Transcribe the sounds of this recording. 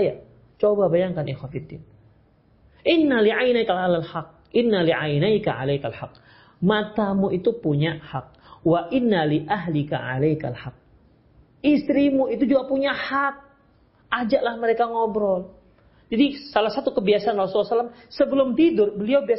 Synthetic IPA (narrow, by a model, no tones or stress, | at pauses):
ja | t͡ʃobabajaŋkanɛxwafid̪ːɪn | ʔɪnːaliʕajnajkalalalħaq̚ʔɪnːaliʕajnajkaʕa̰lajkalħaq̚ | mat̪amuit̪upuɲahak̚waʔɪnːaliʔaɦlɪka̰ʕa̰lajka̰lħak̚ | ʔist̪ɾimuit̪ud͡ʒuɡapuɲahat̪̚ | ʔad͡ʒaʔlahməɾekaŋɔbɾɔl | d͡ʒadisalahsat̪ukəbiasaʔanrasulːasalamsəbəlʊmt̪idʊrbəliawbia